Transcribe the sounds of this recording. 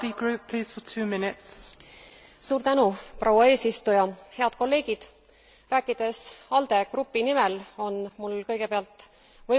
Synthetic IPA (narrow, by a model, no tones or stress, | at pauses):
iɡ̥ɹʉˑpʰːl̥iːz̥fətʰʉːmɪnɪts | suːɾt̪ænuprʔowɑe̞ːsist̪ujɑhe̞ɑd̪̥̚ko̞lːe̞ːɡ̥id̪̥ | ræːkːˑid̪̥e̞sɑld̪̥e̞ɡ̥rupːinime̞lo̞nmulkɤjɡ̥e̞peɑlt̪ːˑ | vɤ